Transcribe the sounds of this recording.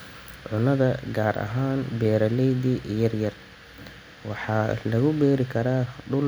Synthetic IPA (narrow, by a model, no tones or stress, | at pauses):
ʕʊnɐðɐɡaːɾɐ̰ɦaːnbɛːɾɐlɛjdiʔjɐrjɐr | wɑħɑːlɐɣʊbɛːɾɪkʰɐɾaːɖʊl